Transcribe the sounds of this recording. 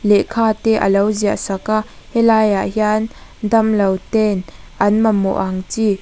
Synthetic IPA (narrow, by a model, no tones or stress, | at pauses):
lɛʔkʰaːt̪ɛʔəlowziaʔsakaʔhɛlajaʔhiand̪ɐmlɐwt̪ɛnʔɐnmɐmɔ̰ʔaŋt͡si